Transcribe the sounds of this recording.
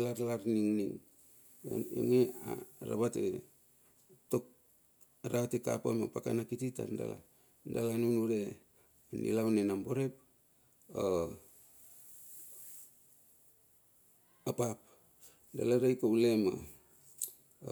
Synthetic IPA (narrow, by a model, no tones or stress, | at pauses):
laɾalaɾniŋniŋ̰ | o̰ŋeaɾa̰βatḛ | tok̚ | aɾaβateka̰pamapakanakitita̰nda̰la̰ | ndalanunuɾe | anḭlawnenamboɾep̚ | a | apap̚ | da̰laɾajkaulema̰